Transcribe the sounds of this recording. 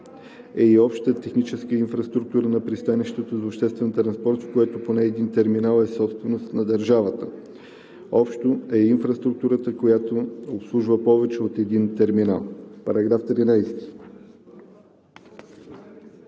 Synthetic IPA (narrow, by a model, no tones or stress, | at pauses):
ɛiɔpʃt̪t̪ət̪ɛxnit͡ʃɛskəinfɾɐst̪ɾuk̚t̪uɾənɐpɾist̪aniʃt̪ot̪ozopʃt̪ɛst̪vɛnt̪ɾɐnspɔɾt̪fkojɛt̪oponɛːd̪int̪ɛɾminalˠɛsɔpst̪vɛnost̪nɐd̪əɾʒavət̪ə | ɔpʃt̪oɛinfɾɐst̪ɾuk̚t̪uɾət̪əkojat̪oopslˠuʒvəpɔvɛt͡ʃɛot̪ɛd̪int̪ɛɾmina̰lˠpɐɾɐɡɾaft̪ɾinajst̪i̥